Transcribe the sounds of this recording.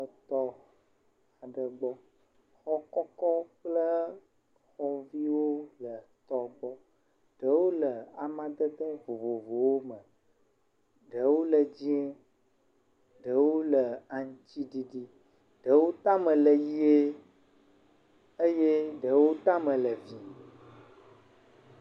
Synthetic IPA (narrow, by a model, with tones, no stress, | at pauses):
ə˨t̪ɔ˦ | a˨ɖə˨ɡ͡bɔ˦ | xɔ˦kɔ˦kɔ˦k͡plə˦ | xɔ˨vi˦wo˦lə˨t̪ɔ˨ɡ͡bɔ˦ | ɖ̥ə˨˦wo˦lə˨a˨mã˦d̪ə˦t̪ə˦vo˨vo˨vo˨wo˦mə̃˨ | ɖə˨wo˦lə˨d͡ʑi˦ɛ˦ | ɖə˨wo˦lə˨a˨ŋ˦t͡ɕi˦ɖi˦ɖi˦ | ɖ̥ə˨wo˦t̪a˦mə̃˨lə˨ji˦e˦ | ə˦je˦ɖə˨wo˦t̪a˦mə̃˨lə˨vi˦